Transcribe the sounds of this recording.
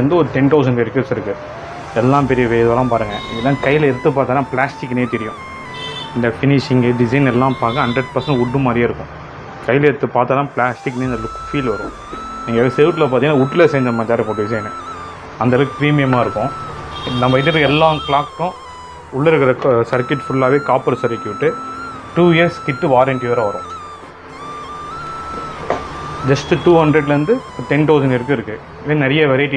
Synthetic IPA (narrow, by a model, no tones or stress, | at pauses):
ɐnd̪ɯɔɾɯʈɛnt̪ɐʊs̬ɐɳɖɛɾkːɐʈsɪɾɯkːɯ | ɛlːãːpɛɾɪjɐʋeːðɯʋɐːlãːpaːɾɯŋɡɐɪðɐlːãːkɐjɪlɐɪɾɯt̪ːɯpːaːɾt̪aːlãːpɪlaːsʈɪkːneːt̪ɛɾɪjʊ̃ | ɪnd̪ɐfɪnɪʂɪŋɡɖɪsɐɪnɛlːãːpaːkɐ̃ɦɐɳɖɾɐɖpɐɾsɐɳɖʊʈːɯmaːd̪ɾijaːɪɾɯkːʊ̃ | kɐjɪlɐɪɾɯt̪ːɯpːaːɾt̪aːlãːplaːsʈɪkːneːnd̪ɐlɯkʊfiːlʋɐɾʊ̰̃ | ɛŋɡesɛʋʈːɪlɐp̬aːt̪iŋːnːaːʊʈːɪlesɛːɲd͡ʒɐmaːd͡ʒ̪aːɾɯkoɖɪsɐɪn | ɐnd̪ɐlɐkpɾiːmɪjɐmaːɪɾɯkːʊ̃nɐmːɐɪðɪɾɛlːaːkɭaːkːʊ̃ | ʊɭːɐɪɾɯkːɐɾɐsɐɾkɪʈfʊɭːaːʋeːkaːpɐɾsɐɾɪkːɪʋɪʈːɯ | ʈuːiɐɾskɪʈːɯʋaːɾɐɳʈɪjɐːɾɐ̃ʋɐɾʊ̃ | d͡ʒɐsʈʈuːhɐnɖɾɛɖlɐɾɯnd̪ɯ | t̪ɛnt̪ɐʊsɐɳɖɪɾɯkːɯɪɾɯkːɯ | ʋeːnɛɾɐjɐʋɛɾɐɪʈːi